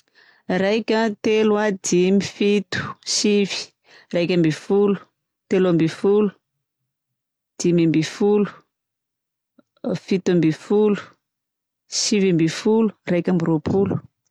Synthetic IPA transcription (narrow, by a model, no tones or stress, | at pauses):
rajkʲət̪elwad̪imifit̪u̥sivi̥ | rajkʲambifulu̥ | t̪elambifulu̥ | d̪̥imambifulu̥ | fit̪uambifulu̥ | sivambifulu̥rajkʲambiɾopʰulu̥